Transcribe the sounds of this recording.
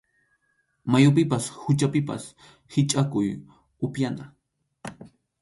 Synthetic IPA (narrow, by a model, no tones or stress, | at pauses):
majʊp̬ɪpashʊt͡ʃapɪpa̰s | hɪt͡ʃʼakʊj | ʊpjana